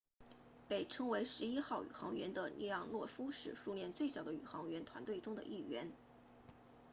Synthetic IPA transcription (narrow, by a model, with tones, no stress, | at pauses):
pe˨˩ɪʈ͡ʂʰɤ˥ŋwe˧˥ɪʂɻ̩˧˥i˥xɑ˥˩ʊy̰˨˩xɑ˧˥ŋɥɛ˧˥nd̪ə˧nʔi˥˧jɑ˥˧ŋlwɔ˥˩fu˥ʂɻ̩˥˩ʂu˥˧ljɛ˥˧nt͡swe˥˩ɪɕjʊd̪ə˦y̰˨˩xɑ˧˥ŋɥɛ˧˥nt̪ʰwa̰˧˥nt̪we˥˩ɪʈ͡ʂʊ˥ŋd̪ə̰˧˨ʔi˥˩ɥɛ˧˥n